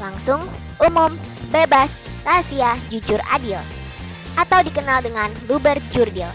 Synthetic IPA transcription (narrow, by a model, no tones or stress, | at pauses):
laŋsʊŋ | ʔumʊmbebas | rasiad͡ʒud͡ʒʊra̰dil | ʔat̪awdikənaldəŋanlubərd͡ʒurdil